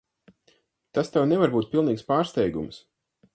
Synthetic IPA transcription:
t̪ast̪ɛwnɛvaɾbuːt̪̚pʲilˠniːkspaːɾst̪ɛjɡṵms

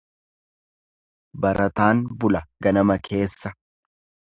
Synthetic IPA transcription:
bɐɾʔɐt̪aːnbʊlɐɡɐnɐmɐkʰe̞ːsːɐ

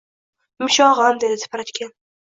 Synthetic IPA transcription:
mɪʃɒʁand̪ed̪ɪt̪ʰɪ̥pɾat̪kʲan

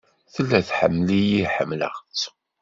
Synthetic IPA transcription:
θəlːæθħə̰mːlijiħəmːlə̰ʁt͡sː

